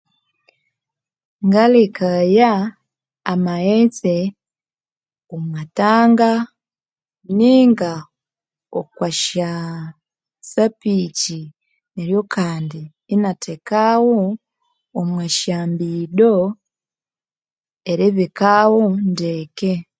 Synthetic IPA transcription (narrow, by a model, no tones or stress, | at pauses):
ŋɡalekajaː | maet͡se | omwataːŋɡa | niŋɡa | okwaʃa | sapici | neɾjo̞kʰaːndiː | natʰekawoː | mwaʃaːmbido | eɾeβikawondeːke